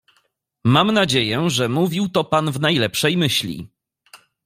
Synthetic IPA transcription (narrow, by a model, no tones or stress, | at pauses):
mamnad͡ʑejɛʐɛmuvʲiwt̪ɔpanvnajlɛpʂɛjmɘɕlʲḭ